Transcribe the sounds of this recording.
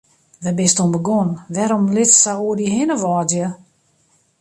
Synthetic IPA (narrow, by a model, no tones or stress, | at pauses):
ʋɛbɪstombəɡɔnʋɛɾɔmlɪtːawuədiɦɪnəʋɔːdjə